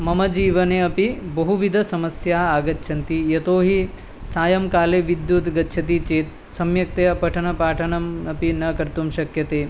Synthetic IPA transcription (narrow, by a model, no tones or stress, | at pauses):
mɐmɐd͡ʒiːʋɐneɐpibɐɦuʋid̪ʱɐsɐmɐsjaːaːɡɐtːʃʰɐnt̪ijɐt̪oːɦi | saːjɐmkaːleʋid̪jut̪ɡɐtːʃʰɐt̪it͡ʃeːt̪ | sɐmjɐk̚t̪eːɐpɐʈʰɐnɐpaːʈʰɐnɐmɐpinɐkɐɾt̪umʃɐkjɐt̪eː